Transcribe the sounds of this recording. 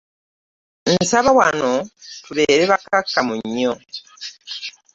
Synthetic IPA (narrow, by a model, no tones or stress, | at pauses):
nsaβawano̞tuβe̞ːɾeβakakːamuɲːo